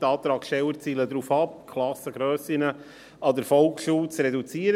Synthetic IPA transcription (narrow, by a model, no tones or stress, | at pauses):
tɑːt̪ɾɑːkʃtɛwəɾt͡siːləd̪ɾuːfɑp̚kʰlɑsəɡɾœːsɪnə | ɑd̪əɾfɔlˠkʃuːt͡srɛdut͡siəɾ